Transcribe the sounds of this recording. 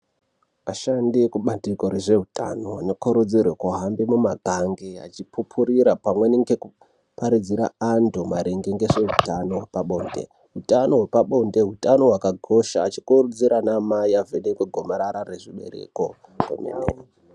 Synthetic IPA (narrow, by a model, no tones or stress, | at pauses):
aʃandikuɓatiko̞ɾe̞ʐe̞ɦutʰa̰no̞anokoɾud͡zirwekoɦambimumaɡʱaŋɡea̰t͡ʃipʰupʰuɾiɾapamwe̞neŋɡeku | paɾid͡ziɾa̰andomaɾeŋɡeŋɡeʐe̞ɦutano̞ɦepaɓo̞nde̞̰ | ɦutano̞ɦwepaɓo̞nde̞ɦutano̞ɦwakaɡʱo̞ʃaːt͡ʃi̥kuɾud͡ziɾanamaiavenekweɡʱo̞maɾaɾareʐiɓe̞̰ɾḛko | kḛmḛnḛo